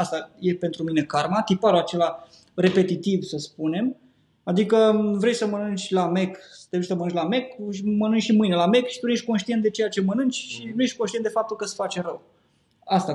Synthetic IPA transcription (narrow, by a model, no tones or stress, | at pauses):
ast̪aje̞pe̞nt̪ɾumine̞kaɾmat̪ipaɾoat͡ʃe̞la | ɾe̞pe̞t̪it̪ivsəspune̞m | ad̪ikəvɾe̞jsəmənɨnt͡ʃʲlame̞ksə̥t̪eet͡ʃʲsəmənɨnt͡ʃʲlame̞kʃimənɨnt͡ʃʃimɨjne̞lame̞kʃi̥t̪unjeʃʲko̞nʃt̪iet̪̚d̪e̞t͡ʃejat͡ʃe̞mənɨnt͡ʃʲʃineʃ̚ʲkonʃt̪iend̪e̞fap̚t̪ulkəsfat͡ʃeɾəw | ast̪a